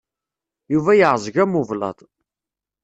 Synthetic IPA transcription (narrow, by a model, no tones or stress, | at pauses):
juvæjəʕzˤʝæmuvlɑ̰d̪ˤ